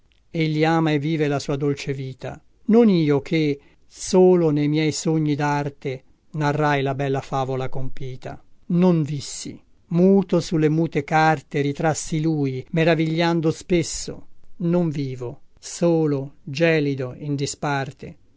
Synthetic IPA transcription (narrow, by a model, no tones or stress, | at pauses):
eʎːiaːmaevːiːvelasuːad̪olt͡ʃeviːt̪ʰa̰ | noniːok̟ʰe | soːlonejmjɛjsoɲːid̪art̪e | narːajlabɛlːafaːvolakompiːt̪a̰noɱvisːḭ | muːt̪osulːemuːt̪ekart̪eɾit̪ɾasːiluːjmeɾaviʎːand̪ospesːo̰noɱviːvosoːlod͡ʒɛːlid̪oind̪ispart̪ḛ